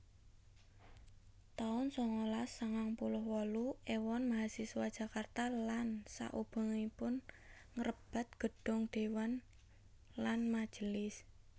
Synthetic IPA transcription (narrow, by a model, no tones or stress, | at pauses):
t̪aʊnsɔŋolasːəŋaŋpulʊhwɔluewɔnmaɦasisuwad̥ʒ̥ä̤kart̪alansa̰ʔub̥a̤ŋipʊn | ŋəɾəb̥a̤t̪̚ɡ̥ə̤ɖ̥ɔ̤ŋd̪̥e̤wan | lanmḁʒ̥əlɪs